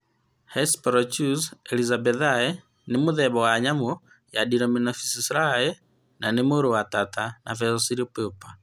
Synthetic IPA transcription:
hɛspɔɾɔt͡ʃusɛlizabɛðaɛ | nimuðɛβɔwaɲamu | jadiɾɔminafi̥sisɾaɛ | nanemuɾuwatatana̰fɛzɔsiɾipɛpa

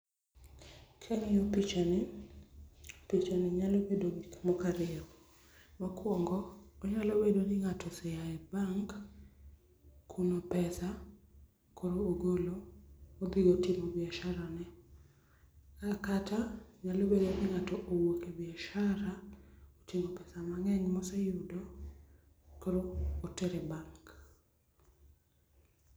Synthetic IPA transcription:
kʰɛŋɪopit͡ʃanɛ | opit͡ʃanɪɲalobedoɡikmɔkaɾɪɔ | makwɔŋɡɔːɲalobedonɪŋatɔsɛjaɛbaŋk | kʰːunopɛsa | kʰoɾoːɡoloobiɡotimobɪaʃaɾanɛ | akatʰaɲalobedonɪŋatɔʔowokebɪaʃaɾaotimopɛsamaŋɛŋmɔsɛjʊdo | koɾoːteɾɛbaŋk

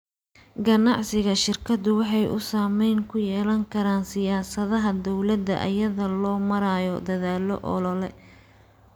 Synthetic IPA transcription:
ɡɐnɑʕsɪɣɐʃɪrkʰɐd̪ʊwɑħɑjʔʊ̰saːmɛjŋkʰʊjɛːlɐŋkʰɐɾaːnsɪjaːsɐðɐɦɐd̪ɔwlɐd̪ːɐ̰ʔɐ̰jɐðɐlɔːmɐɾaːjɔd̪ɐðaːlɔ̰ʔɔ̰lɔlɛ

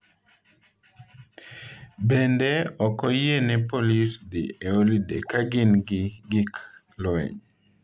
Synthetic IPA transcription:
bendɛɔkɔjenɛpolisd̪ḭeolidḛkaɡɪnɡɪɡɪk | lwɛ̰ɲ

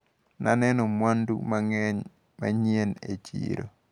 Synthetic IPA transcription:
nʔanɛnɔmwandṵmaŋɛɲ | ma̰ɲienet͡ʃḭɾo̰

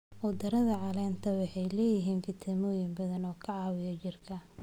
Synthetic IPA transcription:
ʔɔd̪ɐɾɐðɐʕɑlɛːnt̪ʰɐwɑħɑjlɛːjɪɦiːnfɪt̪ʰɛmɔːjɪmbɐðɐnɔːkʰɐʕɑːwɪjɐt͡ʃɪrkʰɐ

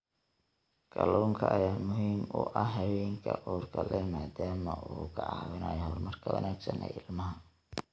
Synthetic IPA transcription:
kʰɐlɔːŋkʰɐʔɐjaːmʊɦiːmʊʔɐɦɐwɛːŋkʰɐʔuːrkʰɐlɛmaːd̪aːmɐʔuːkʰɐʕɑ̰ːwɪna̰ːjɔhɔrmɐrkʰɐwɐ̰naːɡsɐnɛ̰ɪlmɐɦɐ

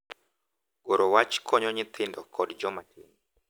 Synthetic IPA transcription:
oɾɔwat͡ʃkʰɔɲɔɲɪt̪ʰɪndɔkʰɔdd͡ʒɔmatʰini

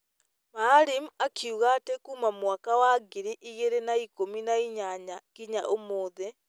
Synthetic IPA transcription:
maɾimakʰiuɣatekumamwakawaɡiɾiʔiɣeɾenaikominaiɲaɲakiɲa̰ʔomoːðɛ

